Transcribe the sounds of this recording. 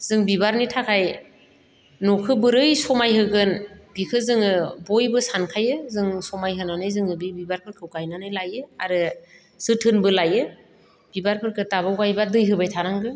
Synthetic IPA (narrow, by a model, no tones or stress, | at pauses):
z̥ɯŋbibaɾnitʰakʰaj | nukʰɯbɯɾɯjsɔmajɦɯɡɯnbikʰɯzɯŋɯbɔjbɯsankʰajɯzɯŋsɔmajɦɯnanɯjzɯŋɯbibibaɾpʰɯɾkʰɯwkajnanɯjlajɯaɾɯ | z̥ɯtʰɯnbɯlajɯ | b̥ibaɾpʰɯɾkʰɯtaβawkajbadɯjɦɯbajtʰaɾaŋɡɯ